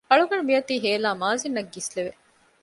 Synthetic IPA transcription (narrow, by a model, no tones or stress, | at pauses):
ɐɭuɡɐɳmijɐt̪iːɦeːlaːmaːzinːɐɡːisleʋe